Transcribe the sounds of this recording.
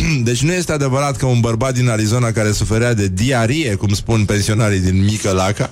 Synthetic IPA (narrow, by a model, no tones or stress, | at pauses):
d̪e̞t͡ʃʲnuje̞st̪ead̪e̞vəɾat̪kəunbərbat̪̚d̪inaɾizo̞nakaɾe̞sufe̞ɾead̪e̞d̪iaɾije̞kumspunpe̞nsio̞naɾid̪inmikəlaka